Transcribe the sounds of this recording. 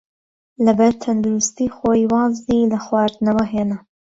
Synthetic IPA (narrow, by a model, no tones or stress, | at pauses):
ləbaɾt̪ʰand̪uɾust̪ixoːiwɑːzd̪iləxwɑːɾt̪nawəɦeːna